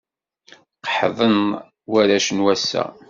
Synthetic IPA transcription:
qħðˤən | wæɾæʃənwæsːæ̰

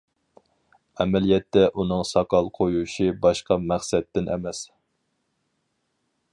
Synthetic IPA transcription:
ɛmɛlijɛt̪ːɛʔunɨŋsɑkʰɑlˠqʰojuʃibɑʃqɑmæχsɛt̪ːɪnʔɛ̰mɛs

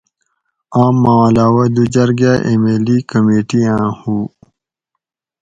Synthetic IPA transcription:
aːmːãlaːwɐd̪ud͡ʑɐɾɡaʔemeːlikəmeːʈiãːhuː

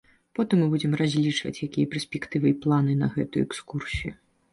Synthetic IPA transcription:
pɔt̪ɨmːɨbud͡zʲɛmrazʲlʲit͡ʂvɐ̰t͡sʲjakʲijɐpʲɛrsʲpʲɛkt̪ɨvɨplˠanɨnɐɣɛt̪ujṵɛkskursʲijṵ

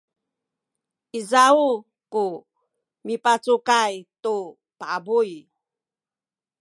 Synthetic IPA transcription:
ʔizau | ku | mipat͡sukajtu | paabuj

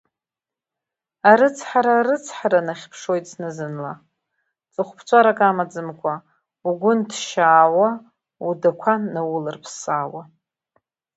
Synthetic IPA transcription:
aɾɨt͡sʰħaɾaɾɨt͡sʰħaɾanaχʲpʰʂo̞jtʼsnɨzɨnla | t͡sʼɨχʷpʰt͡ʃʷʰʼaɾakʼamad͡zɨmkʷʰʼa | uɡʷʊntʰʃaːwa | udakʷʰanawʊlɨrpʰsaːwa

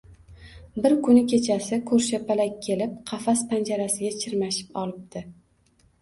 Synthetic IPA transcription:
bɪɾkʰʊnɪkʲʰe̞t͡ʃʰasɪkʰɵɾʃapʰalakʲʰːe̞lɪp̚qʰɑfaspʰand͡ʒaɾasɪɡʲat͡ʃʰɪɾmaʃɪ̥pɒlˠɪp̚d̪ɪ

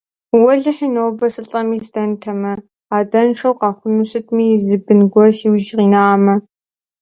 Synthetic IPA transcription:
wɔɮɨħinowbɐsʼɨɬʼɐmiːzdɐntʰɐmɐ | aːdɐnʈ͡ʂʰɐwqɑːχʷʊnuɕɨtʰʼmiːzɨbɨnɡʷɔrʃiwʒʁiːnaːmɐ

